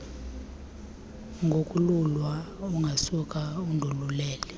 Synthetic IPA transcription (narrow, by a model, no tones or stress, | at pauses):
ŋɡʱokʼululwa | uŋɡʱasukʼaundʱululɛːlɛ